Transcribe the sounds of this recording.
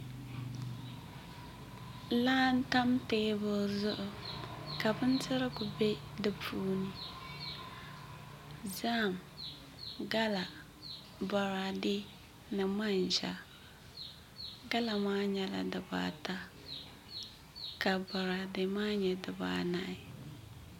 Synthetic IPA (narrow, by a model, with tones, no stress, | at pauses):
laː˦n̩˦ta˦mteː˦bʊ˦zʊ˦ʔʊ˨ka˨bɨ˦n˦tɨ˦ɾɨ˦ɡʊ˨be˦dɨ˨pʰuː˦nɨ˦ | zaː˦˨m | ɡa˦la˨ | ba˨ɾa˨de˦ | nɨ˨ma˦nʒa˨ | ɡa˦la˨maː˦ɲɛ˦la̰˨dɨ˨ba̰ː˨ta˦ | ka˨ba˨ɾa˨de˨maː˦ɲɛ˨dɨ˨ba̰ː˨na˦ʔɪ˨